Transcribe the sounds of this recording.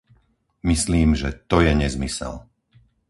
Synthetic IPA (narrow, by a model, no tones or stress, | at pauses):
misliːmʒɛt̪ɔjɛɲɛzmisɛ̰l